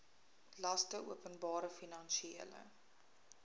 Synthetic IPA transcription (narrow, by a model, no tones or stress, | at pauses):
lɐstəṵəpənbɑːɾəfinɐnʃieələ̰